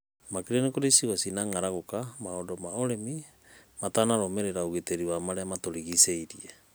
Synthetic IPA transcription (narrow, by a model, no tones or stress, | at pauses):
makiɾenekoɾesiwasinaŋaɾaɣokamaodomaoɾemi | matanaɾomeɾeɾauɣiteɾiwamaɾeamatoɾiɣiseiɾḭa